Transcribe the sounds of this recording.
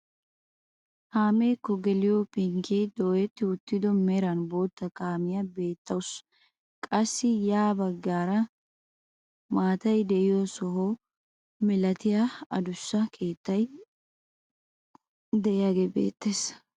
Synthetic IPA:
haːmeːkːɔɡɛlɪjopɪŋkid̪oːjɛt̪ːɪʊt̪ːɪd̪ɔmɛɾɐnboːt̪ːɐkaːmɪjɐbe̞ːt̪ʰːɐwʊs | kʼɐsːɪjaːbɐɡːaːɾɐ | maːt̪ɐjd̪ɛʔɪjosɔɦoː | mɛlɐt̪ɪjaɐd̪ʊsːɐkʰe̞ːt̪ːɐj | d̪ɛɪjaɡebḛːt̪ːeːs

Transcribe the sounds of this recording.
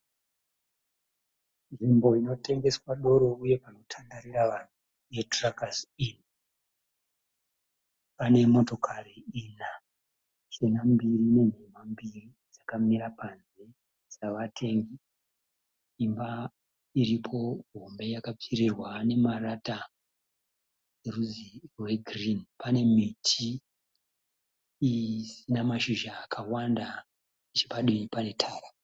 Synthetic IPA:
nʐimbo̞ino̞te̞ŋɡe̞swaɗo̞ɾo̞uje̞pano̞tʰandaɾiɾaʋan̤u | je̞trakasin | pane̞mo̞to̞kʰariina | t͡ʃenambirine̞n̤emambiri | d͡zakamiɾapanze | d͡zaʋatʰe̞ŋɡi | imba | iɾipʰo̞ɦo̞mbe̞jakap͡firirwane̞marata | eruziwe̞ɡʱrinpane̞mitʰi | sinamaʃiʒaːkʰawanda | it͡ʃepaɗiipane̞tʰaːra

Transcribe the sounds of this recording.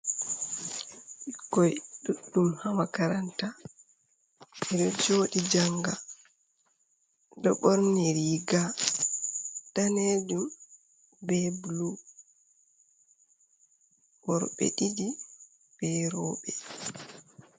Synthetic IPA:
ʔikːɔjɗuɗːumhamakaɾanta | ɛɗɔd͡ʒoːɗid͡ʒaŋɡa | dɔɓɔɾnɛɾiɡa | d̥anedum | bɛblu | wɔɾɓɛ̰ɗidi | b̥ɛɾɔːɓɛ

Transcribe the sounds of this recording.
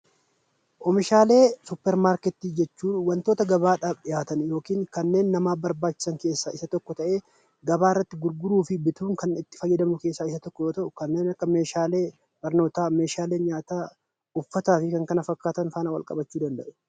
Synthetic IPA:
ʔɔmɪʃaːle̞ːsʊpːɛɾmaːɾkɛt̪ːiːd͡ʒɛt͡ʃːuːnwɐnt̪o̞ːt̪ɐɡɐbaːᶑaːbɗɪjaːt̪ɐnjo̞ːkiːŋkɐnːe̞ːnːɐmaːbɐɾbaːt͡ʃːɪ̥sɐŋke̞ːsːaːɪsɐt̪ɔkːɔt̪ɐʔe̞ː | ɡɐbaːɪrːɐt̪ːɪɡʊɾɡʊɾuːfɪbɪt̪uːŋkɐnɪt̪ːɪ̥fɐjːɛd̪ɐmʊke̞ːsːaːɪsɐt̪ɔkːɔjoːt̪ɐʔʊkɐnːe̞ːnɐkːɐme̞ːʃaːle̞ː | b̥ɐɾno̞ːt̪aːmeːʃaːle̞ːnɲaːt̪aː | ʊfːɐt̪aːfɪkɐŋkɐnɐfɐkːaːt̪ɐnfaːnɐwɐ̰lkʼɐ̰bɐt͡ʃːuːd̪ɐnd̪ɐʔɛ̥

